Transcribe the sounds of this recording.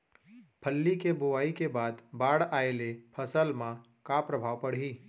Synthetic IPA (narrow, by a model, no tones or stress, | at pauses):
pʰəlːikebʊʋaːikebaːd̪baːɽaelepʰəsəlmã | kapɾəbʱaːʋpəɽ̤ɦiː